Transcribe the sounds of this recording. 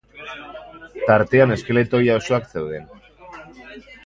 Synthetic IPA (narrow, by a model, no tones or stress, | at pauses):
t̪aɾt̪e̞ane̞ske̞le̞t̪o̞jaosoakse̞wðe̞n